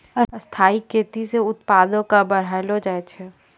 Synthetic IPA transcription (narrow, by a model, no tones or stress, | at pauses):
əst̪ʰaːikʰeːt̪iseʊt̪paːd̪õkabɐɾɦalod͡ʒaːet͡ʃʰɛ